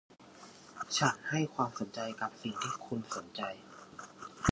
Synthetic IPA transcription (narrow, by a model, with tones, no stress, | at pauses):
t͡ɕʰa˦˥nha˥˩jkʰwaː˧mso˩˦nt͡ɕa˧jka˨˩p̚si˨˩ŋt̪ʰiː˥˩kʰu˧nso˩˦nt͡ɕa˧j